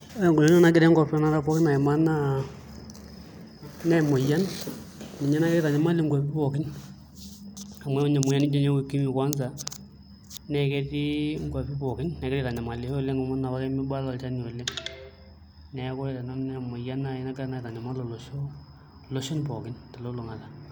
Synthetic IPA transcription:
ŋɡo˨lo˦nɔ˦na˨kɪ˦ɾɛ˦ŋɡa˨pɔ˦na˦ɾa˦pɔ˦kɪ˦na˨ɛ˨ma˦na˦ | nɛ˨mo˨ja˦n | mi˨ɲɛ˦na˦kɪ˦ɛ˦ta˨ɲa˨˦ma˦li˨˦ŋɡwa˨pi˦pɔ˨kɪ˦n | a˨mwɛ˦ɲɛ˨mʊ˨ja˦ni˦d͡ʒe˦ɲe˦ku˨ki˦mi˨kwa˦nsa˨ | nɛ˨kɛ˦ti˦ŋɡwa˨pi˦pɔ˨kɪ˦nnɛ˨kɪ˦ɾi˦˨ta˨ɲa˨ma˨lɪ˨˦˨le˦ŋɡma˦na˨βa˦kɛ˦mɪ˦ba˦lɔ˨lt͡ʃa˦ni˨o˨le˦ | nɛ˨˦kɔ˦e˨ta˨nɔ˦nɛ˨mo˨ja˦na˨e˦na˦kna˨ɪ˨ta˨ɲa˨ma˦lo˨lo˨ʃo˦ | lo˦ʃɔ˦npɔ˨kɪ˦nta˨lo˦lo˨ŋa˨la˨

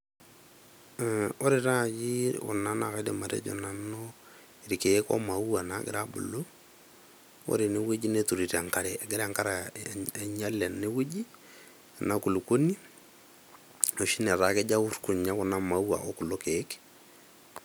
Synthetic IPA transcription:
o˦ɾe˨ɾa˦˨d͡ʒi˦ɔ̰˨na˦na˨ka˦de˨ma˨ɾḛ˦d͡ʒo̰˨na˨no˦ | iɾi˨ke˨e˦kɔ̰˦ma˨u˦wa˨na˨ɡɪ̰ɾa˦bʊ̰˨lo˦ | o̰˦ɾe˨ne˦we˦d͡ʒi˦ne˦tu˨ɾi˨ɾa˨ŋka˦ɾɛ˨ɡɪ˦ɾa˦˨ŋka˦ɾa˨ | ɲa˦la˨ne˦we˦d͡ʒi˦˨ | na˦ku˨lu˨ko˦ni˦ | o˨ʃi˦nɛ˨ɾa˨ke˦d͡ʒa˦u˦rku˨ɲa˦kʊ˨na˦ma˨u˦wa̰˨ʔo˦kʊ˨lo˦ke˨˦k

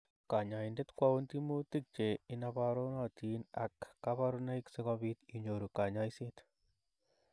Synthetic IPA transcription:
ka˨ɲa˨i˨nde˦t̪kwa˦wu˦nti˦mu˦ti˦k̚t͡ʃe˨inaβaɾo˦nat̪ina̰kːaβa˦ɾuna˦iksekɔβit̪i˨ɲoɾu˨ka˨ɲa˦isit̪

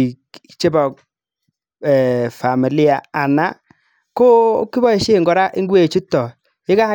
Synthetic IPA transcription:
k | t͡ʃe˦bɔ˨k̚ | ɛ˨fa˨mi˨lɪ˦a˨a˨na˦ | ko˦ki˦bɔ˦i˨ʃe˦˨ŋɡɔ˨ɾa˦ʔɪ˦ŋɡwe˨t͡ʃu˦tɔ˨ | ɪ˦ka˦

